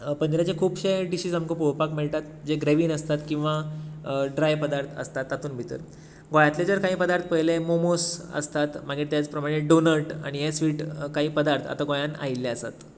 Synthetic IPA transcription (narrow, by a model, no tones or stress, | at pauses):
pəɲd͡ʑɾjat͡ɕekʰuːbɕeʈiɕiːd͡zamkəpuɦpakmeɭʈ̪at̪d͡ʑeɡɾeʋiːnəst̪at̪kĩw̃ʋa | ɖɾajpəd̪aɾt̪ʰə̰st̪at̪ːat̪uːnbʱit̪ə̰ɾ | ɡojãt̪led͡zəɾkaɦiːpəd̪aɾt̪ʰpəɦilemomosə̰st̪at̪maɡiʈt̪jat͡spɾəmaɽ̃eɖonəɾʈa̰ɽ̃ijesʋiːʈkaɦiːpəd̪aɾt̪ʰa̰t̪aɡojana̰ilːeəsa̰t̪